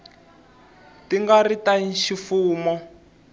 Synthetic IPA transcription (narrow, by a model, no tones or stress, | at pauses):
tiŋɡaritaʃifuːmɔ